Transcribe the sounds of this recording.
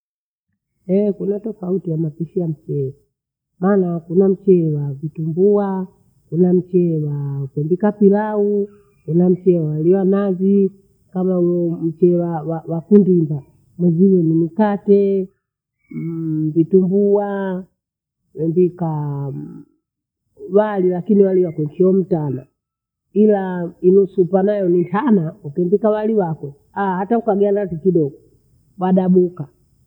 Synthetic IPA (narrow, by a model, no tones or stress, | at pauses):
ɛkunatɔfautijamapiʃiam̩t͡ʃɛ | maːnakunam̩t͡ʃɛwavitumbua | kunam̩t͡ʃɛwakɛmbikapilau | kunam̩t͡ʃɛwaliwanazi | kamam̩t͡ʃɛwawawakundimba | mɛzilɛnimikatɛ | bitumbuwa | wɛmbika | walilakiniwaliwakɔŋkʰiɔm̩tana | ilainusupanajɔnintʰanaukɛmbikawaliwakɔ | ahataukaɡɛanazikiɗɔɡɔ | waɗaɓuka